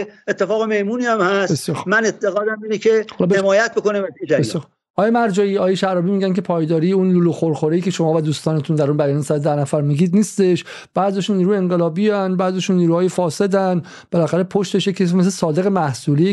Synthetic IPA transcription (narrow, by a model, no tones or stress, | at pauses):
et̪ʰːefɒːɣemehmuːniːæmhæsbessjɒːɾxmænet̪ʰːeɣɒːd̪æmiːnekʰehɒlbhemɒːjæt̪̚bokonimæt̪ed͡ʒæbesjɔɾ | ʔɒːjemæɾd͡ʒɒːiːɒːjeʃæɾɒːbiːmiːɟæncepʰɒːjd̪ɒːɾijeunluːloxoɾxoɾiːcʰe̞ʃomɒːvæd̪uːst̪ɒːnet̪ʰund̪æɾunbæjɒːniːsæd̪d̪ænæfæɾmiːɡiːd̪niːst̪e̞ʃ | b̥æzijɒʃunːiːɾuːjeeŋɢelɒːbinbæɾzjɒʃunːiːɾuːhɒːjefɒːse̞d̪æn | b̥e̞læxæɾe̞pʰoʃt̪e̞ʃjecʰːesimes̬lesɒːd̪e̞ɣe̞mæhsuːli